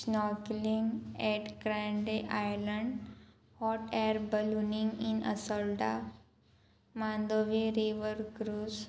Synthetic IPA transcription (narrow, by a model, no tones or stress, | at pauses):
snɔklĩŋɡɛʈɡɾãɳɖeʔajləɳɖ | hɔʈɛɾbəlunĩŋɡĩnə̰sɔlɖa | mãnd̪oʋiɾiʋəɾɡɾus